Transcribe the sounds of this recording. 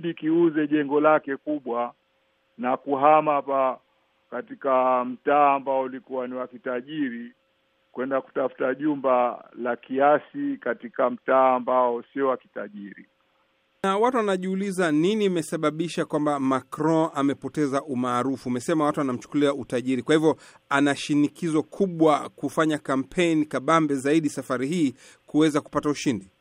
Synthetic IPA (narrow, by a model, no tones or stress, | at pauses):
ɗikiuzɛʄɛŋɡɔlakɛkuɓwa | nakuɦamapa | katikam̩taːmbaɔulikuwaniwakitaʄiɾi | kwɛndaku̥tafu̥taʄumbalakiasikatikam̩taːmbaɔsiɔwaki̥taʄiɾi | nawatuwanaʄiulizaninimɛsaɓaɓiʃakwambamakɾɔ̃amɛpɔtɛzaʔumaːɾufumɛsɛmawatuwanam̩t͡ʃu̥kuliautaʄiɾikwahivjɔ | anaʃinikizɔkʰuɓwakufaɲakam̩pʰɛnikaɓambɛzaiɗisafaɾihiː | kuwɛzaku̥patauʃindi